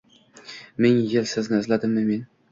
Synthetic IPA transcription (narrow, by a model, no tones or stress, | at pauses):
mɪŋjɪlsɪznɪɪzlad̪ɪmːɪmen